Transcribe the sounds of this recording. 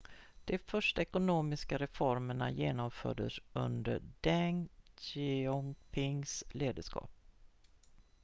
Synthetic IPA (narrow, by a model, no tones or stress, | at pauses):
d̪̥ɛfœʂʈaɛkʊnoːmɪskaɾɛfɔɾməɳa̰jeːnɔmfœ̰ːɖəsɵ̰nd̪əɖɛŋ | ɪɔŋpʰɪŋsleːd̪əʂkʰɑ̰ːp̚